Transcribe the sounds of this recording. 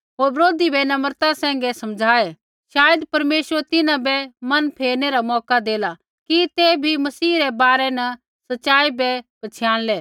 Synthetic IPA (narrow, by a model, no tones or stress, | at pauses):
ɦoːɾbɾoːd̪ibɛnɐməɾt̪ãsɛ̃ːŋ̆ɡɛsɐmd͡ʒʱaːɛ | ʃaːjəd̪pɐɾmeːsəɾt̪ɪnãbɛmɐnpʰeːɾnɛɾamɔːkad̪eːla | kit̪eːbʱimɐsiːɾɛbaːɾɛnɐ | sɐtːʃaːibɛbɐt͡ʃʰjãːlɛː